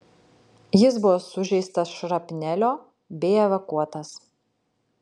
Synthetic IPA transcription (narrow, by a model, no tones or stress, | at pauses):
jɪsbʊʋoːsʊʒʲɛɪst̪ɐsʃɾɐpʲnʲælʲoː | bʲɛɪɛʋɐkuɔt̪ɐs